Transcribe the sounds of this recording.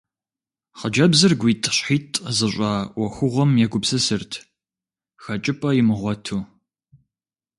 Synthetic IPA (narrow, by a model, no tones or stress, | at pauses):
χəd͡ʒɐbzɨrɡʷiːtʼɕħiːtʰʼzɨɕʷʼɑːwɔxʷʊʁʷɔmjɛɡʷʊpsɨsɨrtʰ | xɐt͡ʃʼɪpʼɐjɪmɨʁʷɔtʰuː